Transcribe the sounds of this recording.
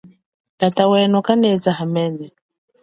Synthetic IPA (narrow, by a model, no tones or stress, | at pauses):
tatawɛnɔkanɛzaɦamɛnɛ